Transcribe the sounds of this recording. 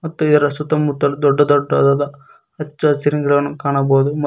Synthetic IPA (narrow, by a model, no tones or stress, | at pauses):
mɐt̪ːuid̪ɐɾɐsut̪ɐmut̪ːɐlud̪ɔɖːɐd̪ɔɖːɐd̪ɐd̪ɐ | ɐt͡ʃːuɐsiɾiŋɡɐɭɐʋɐnːukaːɳɐboːd̪um